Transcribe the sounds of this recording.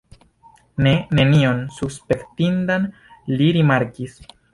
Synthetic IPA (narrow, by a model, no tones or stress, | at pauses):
nene̞nio̞nsuspe̞ktindan | liɾimaɾkis